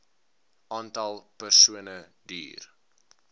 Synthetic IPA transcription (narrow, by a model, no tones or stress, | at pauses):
ʔɑːntɐlˠpərsuənədḭːr